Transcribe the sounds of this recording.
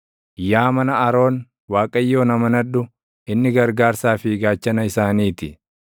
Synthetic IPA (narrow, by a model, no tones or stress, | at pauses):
jaːmɐnɐɐɾo̞ːn | waːkʼɐjːo̞ːnɐmɐnɐᶑʊ | ɪnːɪɡɐɾɡaːɾsaːfiɡaːt͡ʃːɐnɐɪsaːniːt̪ɪ